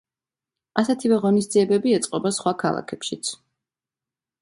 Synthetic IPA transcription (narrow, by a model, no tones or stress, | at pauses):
asɛt̪ʰivɛʁɔnis̬d̪ziɛbɛbiɛt̪sʼqʼɔbasχwakʰa̰lˠa̰kʰɛpʃit̪sʰ